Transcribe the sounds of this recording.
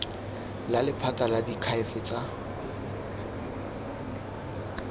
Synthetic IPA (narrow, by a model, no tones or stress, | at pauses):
lalɪpʰataladikʰaɪfɪt͡sʼa